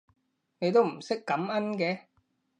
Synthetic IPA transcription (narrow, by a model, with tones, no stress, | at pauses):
ne˨˧jt̪o˥wm̩˨˩sɪ˥kːɐ˨˥mɐ˥nkɛː˧˥